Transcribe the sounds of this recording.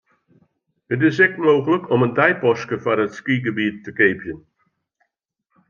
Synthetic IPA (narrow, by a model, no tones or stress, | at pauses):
ət̬ɪsɛk̚moːɣələkʰɔməndɛjpɔskəfaɾətskiɡəbiətːəkeːpʰjən